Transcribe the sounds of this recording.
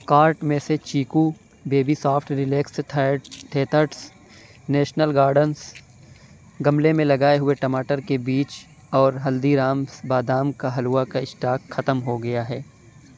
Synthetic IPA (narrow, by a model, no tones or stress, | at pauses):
kaːɾʈmẽset͡ʃiːku | beːbisaːfʈɾɪleːks | ʈʰeːt̪əɾʈs | nɛːʃnəlɡaːɾɖəns | ɡɐmlemẽlɐɡaːeɦʊeʈɐmaːʈəɾkebiːt͡ʃ | ɔːɾɦɐld̪iɾaːmsbaːd̪aːmkaɦɐluːakaɪʃʈaːkxɐt̪əmɦoɡɐjaɦɛː